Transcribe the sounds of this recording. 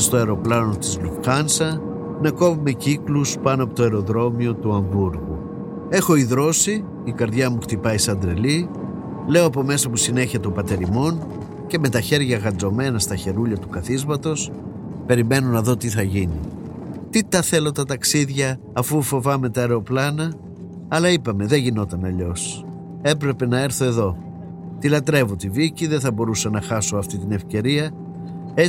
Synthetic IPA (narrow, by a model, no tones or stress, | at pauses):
st̪oɐɾo̞plɐno̞t̪izlukxɐnsɐ | nɐko̞vume̞cikluspɐnoɐpot̪oe̞ɾo̞ðɾo̞mio̞t̪uɐɱbuɾɣṵ | e̞xo̞iðɾo̞siː | kɐɾðʝɐmuxt̪ipɐisɐnd̪ɾe̞li | le̞o̞ɐpo̞me̞sɐpusine̞çɐt̪opɐt̪e̞ɾimo̞n | ce̞me̞t̪ɐçe̞ɾʝɐɣɐd͡zo̞me̞nɐst̪ɐçe̞ɾuʎɐt̪ukɐθizmɐt̪o̞s | pe̞ɾime̞nonɐðo̞t̪iθɐʝinḭ | t̪it̪ɐθe̞lo̞t̪ɐt̪ɐksiðʝɐː | fufo̞vɐme̞t̪ɐeɾeo̞plɐnɐ | ɐlɐipɐme̞ðe̞ʝino̞t̪ɐnɐʎo̞s | e̞pɾe̞pe̞nɐe̞ɾθo̞e̞ðo̞ | t̪ilɐt̪ɾe̞vo̞t̪iviciðenθɐbo̞ɾusɐnɐxɐso̞ɐft̪it̪ine̞fce̞ɾiɐ | e